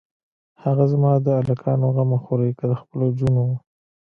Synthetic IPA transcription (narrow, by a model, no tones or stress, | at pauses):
haɣazmɑd̪əalakʰɑnoɣamaxoɾajkəd̪əxpəlod͡ʒunow